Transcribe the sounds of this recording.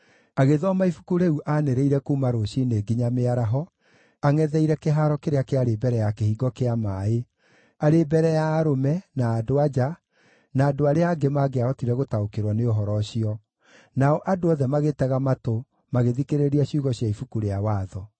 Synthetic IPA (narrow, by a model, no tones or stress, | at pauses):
aɣeðɔmaifukuɾeuʔaneɾeiɾɛkuːmaɾoɕineɡiɲameaɾaɦɔ | aŋɛðɛiɾɛkeɦaːɾɔkeɾeakeaɾebɛɾɛjakehiɡɔkeamaːe | aɾebɛɾɛjaːɾomɛnaːdoad͡ʒa | naːdoaɾeaːɡemaɡeaɔtiɾɛɣotaokeɾwɔneoɦɔɾɔɕiɔ | naɔʔadoɔðɛmaɣetɛɣamato | maɣeðikeɾeɾiaɕuɣɔɕjaifukuɾeawaːðɔ